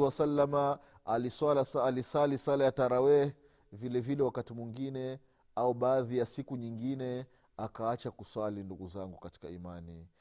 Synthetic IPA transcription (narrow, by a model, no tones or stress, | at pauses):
wasalːama | alisalasaːlisalisalajataɾawɛ | vilɛvilɛwakatimwiŋɡinɛ | auɓaːðijasikuɲiŋɡinɛ | akaat͡ʃakuswalinduɡuzaŋɡukati̥kaimani